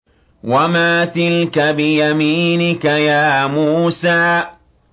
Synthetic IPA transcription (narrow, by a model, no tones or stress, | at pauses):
wamaːt̪ɪlkabɪjamiːnɪkajaːmuːsaː